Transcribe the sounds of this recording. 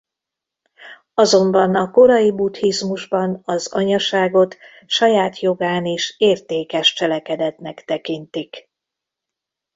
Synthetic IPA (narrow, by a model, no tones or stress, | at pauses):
ɒzo̞mbɒnɒko̞ɾɒjibut̪hizmuʒbɒnɒzɒɲɒʃaːɡo̞t̪ | ʃɒjaːt̪jo̞ɡaːneːʃeːrt̪eːkɛʃt͡ʃɛlɛkɛd̪ɛt̪nɛkt̪ɛkint̪ik